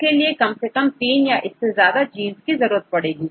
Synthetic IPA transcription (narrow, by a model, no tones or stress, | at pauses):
keliekɐmsekɐmt̪iːnjaʔɪsːezjaːd̪ad͡ʒiːnzkizɐɾuːɾət̪̚pɐɽeːɡiː